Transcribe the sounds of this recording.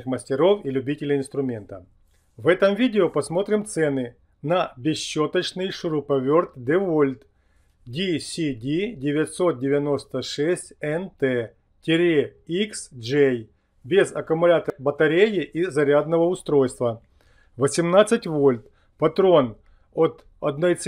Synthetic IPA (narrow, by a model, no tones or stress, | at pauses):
xməsʲtʲɪɾo̞filʲʉbʲitʲɪlʲɪɪnst̪ɾʊmʲe̞nt̪ə̰ | vɛt̪əmvʲidʲɪopɐsmo̞t̪ɾʲɪmt̪sɛnɨ | nɐbʲɪɕːo̞t̪ət͡ɕnɨjʂʊɾʊpɐvʲo̞rt̪d̪ɛvolʲt̪ | dʲisʲidʲidʲɪvʲɪt̪ʲso̞t̪̚dʲɪvʲɐno̞st̪əʂɛsʲtʲɛnt̪ɛ | tʲɪɾʲeiksʐej | bʲɪzɐkɐmʊlʲat̪əbət̪ɐɾʲejɪʔizɐɾʲad̪nəvəʊst̪ɾo̞jst̪və | vəsʲɪmnat̪sːɨtʲvo̞lʲt̪ | pɐt̪ɾo̞n | ot̪ | ɐ̰d̪no̞jt̪s